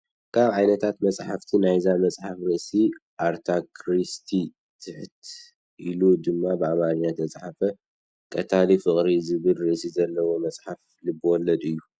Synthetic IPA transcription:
kʰaβʕajnɐt̪ʰat̪mɐt͡sʼħaft̪ʰinajzamɐt͡sʼħafɾiʔsiʔaɾt̪ʰakʰɾist̪ʰi | t̪ʰɨħt̪ʰ | ʔilud̪ɨmːabɨamaɾɲat̪ʰɐt͡sʼħafɐ | kʼɐt̪ʰalifɨχʼɾizɨβɨlɾɨʔsizɐlːɐwo̞mɐt͡sʼħaf | lɨbːɨwɔlːɐd̪ɨjːu

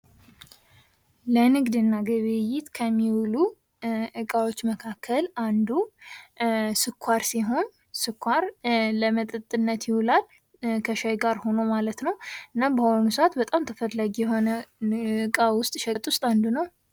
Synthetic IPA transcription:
lənɨɡd̪ɨnːaɡəβejɪt̪kʰəmːiwlu | ʔɨkʼawot͡ʃːməkʰakʰːəland̪u | sɨkʷʰːaɾsiɦo̞n | sɨkʰʷːaɾləmət̪ʼɨt̪ʼɨnːət̪jɪwulal | kʰəʃajɡaɾho̞nowmalət̪nəwɨnːabəhonusat̪bət̪ʼamt̪ʰəfəlːaɡijɛɦo̞nəɨɨkʼawʊst̪ʼʃɛt̪ʼwʊst̪ʼand̪unəw

